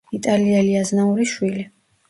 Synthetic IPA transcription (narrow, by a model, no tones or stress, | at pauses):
it̪ʼaliɛliaznauɾiʃwili